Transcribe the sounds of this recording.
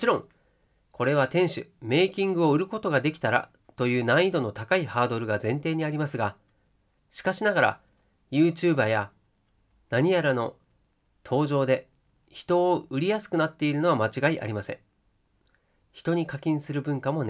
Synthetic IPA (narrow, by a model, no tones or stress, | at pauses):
mot͡ɕiɾõ̞ŋ | kʰo̞ɾe̞β̞at̪ẽ̞ɰ̃ɕɨ̰me̞ːkʲĩŋɡɯ̟o̞ɯ̟ɾɯ̟ko̞t̪o̞ɡad̪e̞kʲi̥t̪aɾa̰ | t̪o̞jɯ̟ːnãid̪o̞no̞t̪akaihaːd̪o̞ɾɯ̟ɡazẽ̞nt̪e̞ːɲ̟iaɾʲimasɨɡa | ɕi̥kaɕinaɡaɾa̰ | jɯ̟ːt͡ɕɨːbaja | naɲ̟ijaɾano̞ | t̪ʰo̞ːʑo̞ːd̪e̞ | çi̥t̪o̞ːɯ̟ɾʲijasɨ̥kɯ̟nat̪ːe̞iɾɯ̟no̞βamat͡ɕiɡaiʔa̰ɾʲimasẽ̞̰ | çi̥t̪o̞ɲ̟ikakʲĩɰ̃sɨɾɯ̟bɯ̟̃ŋkamo̞n